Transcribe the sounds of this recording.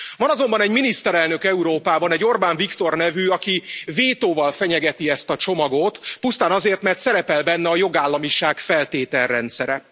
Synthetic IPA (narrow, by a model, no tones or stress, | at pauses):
vɒnɒzo̞mbɒnɛɟminist̪ɛɾɛlnø̞kɛuɾoːpaːbɒnɛɟːo̞rbaːɱvikt̪o̞rnɛvyɒkiveːt̪oːvɒlfɛɲɛɡɛt̪iɛst̪ɒt͡ʃo̞mɒɡot̪pust̪aːnɒzeːrt̪mɛrt̪sɛɾɛpɛlbɛnːɛɒjo̞ɡaːlːɒmiʃaːkfɛlt̪eːt̪ɛrːɛnt̪sɛɾɛ